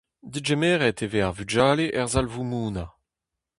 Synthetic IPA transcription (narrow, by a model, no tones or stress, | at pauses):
d̪id͡ʒemɛːʁɛteveaʁvyd͡ʒaːleʔɛʁzalvumuːna